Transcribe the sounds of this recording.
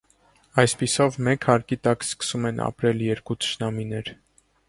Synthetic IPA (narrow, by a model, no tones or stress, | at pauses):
ɑjspisɔvmɛkhɑɾkit̪ɑkskə̥sumɛnʔɑ̰pɾɛljɛɾkut̪ʰə̥ʃnɑminɛɾ